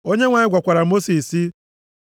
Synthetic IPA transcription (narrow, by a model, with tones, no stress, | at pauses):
o˦ɲe˦ŋʷa˨ɲɪ˦ɡʷa˨kʷa˨ɾa˨˦mo˦si˨si˦